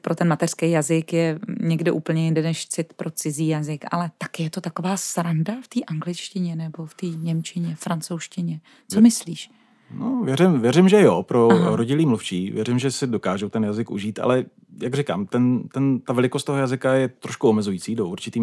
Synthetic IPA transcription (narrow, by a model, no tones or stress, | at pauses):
pɾʔo̞t̪ɛnmat̪ɛr̥skejjazɪkjɛɲɛɡdɪʔṵːpl̩ɲɛjɪndɛnɛʃt͡sɪt̪pɾo̞t͡sɪziːjazɪkʔa̰lɛt̪ḁkɪjɛt̪ot̪ako̞vaːsɾandaft̪iːʔaŋɡlɪt͡ʃcɪɲɛnɛbo̞ft̪iːɲɛmt͡ʃɪɲɛfɾant͡sowʃcɪɲɛ | t͡somɪsliːʃ | novjɛɾɪmvjɛɾɪmʒɛjopɾoɾoɟɪliːmluft͡ʃiːvjɛɾɪmʒɛsɪdo̞kaːʒowt̪ɛnjazɪkṵʒiːt̪ʔa̰lɛ | jaɡrɪka̰ːmt̪ɛnt̪ɛnt̪avɛlɪkost̪oɦojazɪkajɛt̪ɾoʃkuomɛzujiːt͡siːdoʔuɾt͡ʃɪt̪iː